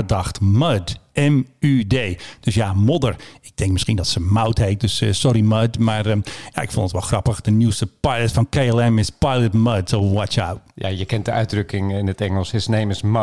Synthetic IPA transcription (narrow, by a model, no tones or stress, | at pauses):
ədɑxtmədɛmydeːd̥øsjamodərɪk̚dɪŋkmɪskindɔtsəmawthejt̚døssɔɾimədmarja̰ʔɪkfɔndətʋɛlˠxrɑpəxdənuwstəpajlˠətfɑnkeɪɛlˠɛmɪspajlˠətməd̚təwɔt͡ʃa̰wt̚ja̰jəkɛnt̚dəœɥdrɵkɪŋɪnətɛŋəlˠsɪsnejməsm